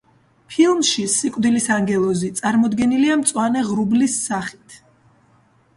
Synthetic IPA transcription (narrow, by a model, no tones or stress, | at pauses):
pʰilˠmʃisikʼwd̪ilisaŋɡɛlˠɔzit̪sʼaɾmɔd̪ɡɛniliamt̪sʼwanɛʁɾublisːaχi̥t̪ʰ